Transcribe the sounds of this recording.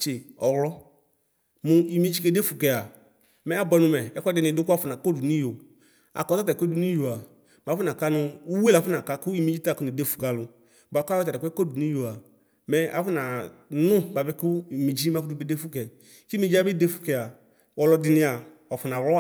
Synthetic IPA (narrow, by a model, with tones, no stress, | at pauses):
t͡ʃe˨ɔ˨wlɔ˦ | mʊ˧i˨mi˦d͡ʒi˦ke˧de˦fu˨kɛ˨a˨ | mɛ˨˦a˨bɔ˧nʊ̃˧mɛ˨ɛ˦kɔ˦dɪ˨nɪ̃˧˨dʊ˦kʊ˦a˦˨fʊ˨na˨ko˦du˨nĩ˦jo˨ | a̰˨kɔ˨ta˦ta˨ko˦du˨nĩ˦jo˨a˨ | m˨a˨fʊ˦na˨ka˦nʊ˧u˦we˦la˨˦fʊ˦na˨ka˧kʊ˦i˦mi˦d͡ʒi˦ta˦˨kʊ˦nĩ˨de˦fu̥˨ɡa˨lʊ˨ | ba˨ka˦ɔ˦a˨ɛ˨kɛ˦ko˦˨du˨nĩ˦jo˨a˨ | mɛ˨a˨fʊ˦na˨nʊ̃˦ba˨bɛ˦kʊ˦˨mi˨d͡ʒi˦ma˨fu˦du˦bi˦de˦fu˦kɛ˨ | ki˦mi˦d͡ʒi˦a˦bi˦de˦fu̥˨kɛ˨a˨ | wɔ˨˧lɔ˧dɪ˧nɪ̃˧a˨ | ɔ˨fʊ˨na˨wlɔ˦˨